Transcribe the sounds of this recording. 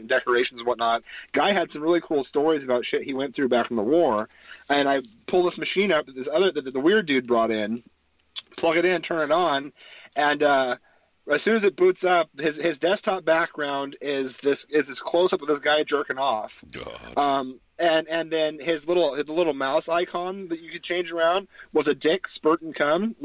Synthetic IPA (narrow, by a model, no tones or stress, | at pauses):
n̩dɛkə˞eɪʃn̩zwʌtⁿnət̚ɡ̥aɪɨd̥sʌ̃mɹɪlˠikʰulˠstɔɹizɨbaʊtʃɪt̚hiwɛ̃nθɹʉbækn̩ðəwɔɹɨ̃naɪpʰʊlˠd̪̚ðɪsmɨʃĩnʌp̪̚ðɪsʌðə˞ðɨðəwɪɹdʉd̚bɹɔɾɪ̃n | pʰl̥ʌkɨɾɪ̃ñn̩tʰɜ̃˞nɨɾn̩ɨ̃nʌ | ɨz̥sʉ̃nɨzɨt̚b̥utsʌp̚hɪzɪzdɛstʰɑt̚b̥æk̚ɡ̥ɹãʊ̃ndɪzðɪsɪzðɨskʰl̥oʊsʌpwəðɪsɡ̥aɪɨd͡ʒɜ˞kɨ̃ŋɔfʌ̃m | ɨ̃nɨ̃nðɨ̃nɪzlɪɾl̩ˠɨlɪɾl̩ˠmaʊsaɪkʰɑ̃nðɨt͡ʃɨkɨd̚t͡ʃʰẽɪ̃nd͡ʒə˞ãʊ̃nd̚wʌzɨdɪkspɜ˞ʔn̩kʰʌ̃n